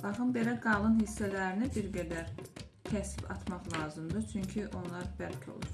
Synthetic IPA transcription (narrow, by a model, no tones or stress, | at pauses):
b̥ɑχɯmbe̞læɡɑlˠɯnhisːælæɾinibiɾɡæd̪æɾ | cʲʰæsibʰɑt̪ʰmɑχlˠɑːzɯmd̪ɯt͡ʃʰyɲcʰiʔo̞nlˠɑɾbælcʰo̰lˠu